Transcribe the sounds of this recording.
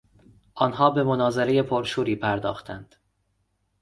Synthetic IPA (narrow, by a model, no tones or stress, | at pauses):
ʔɒːnɦɒːbe̞monɒːze̞ɾeje̞pʰoɾʃuːɾiːpʰæɾd̪ɒ̰ːxt̪ʰænd̪̥